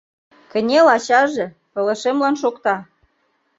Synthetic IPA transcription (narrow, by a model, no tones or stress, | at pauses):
kə̆nʲelɑɕɑʒĕ | pɤ̆lə̆ʃemlɑnʃokt̪ɑ